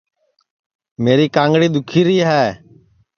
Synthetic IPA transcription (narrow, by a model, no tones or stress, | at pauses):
meːɾiːkãːŋɡɽiːd̪ʊkʰiːɾiːɦɛː